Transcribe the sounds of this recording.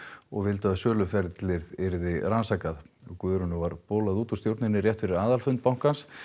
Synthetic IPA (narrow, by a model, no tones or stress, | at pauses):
ɔ̰ɣvɪlt̪œːðasœːlʏfɛɾt̪lɪɾðɪɾðɪɾansaːkaðɔkvœːɾʏnʏvaɾpɔːlaðuːt̪ɔst̪jowɾt̪nɪnːɪɾrjɛht̪fɪɾɪɾaːðalfʏnt̪̚pawŋ̥kans